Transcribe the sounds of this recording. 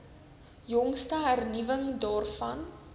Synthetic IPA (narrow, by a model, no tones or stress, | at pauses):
jɔŋstəɦærnivəŋdɑːrfɐn